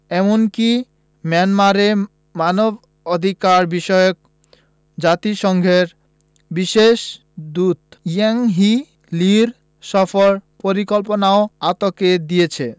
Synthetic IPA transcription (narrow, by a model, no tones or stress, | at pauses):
ɛmonki | manmaɾe | manob | od̪ʱikaɾbiʃɔjok̚ | d͡ʑat̪iʃɔŋɡʱeɾ | biʃeʃ | d̪ud̪jaŋɦi | liɾ | ʃɔfoɾpoɾikolponaoat̪oked̪ijet͡ɕʰe